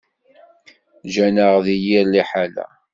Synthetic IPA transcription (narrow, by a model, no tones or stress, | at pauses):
ʒænəʁðijiɾliħalæ̰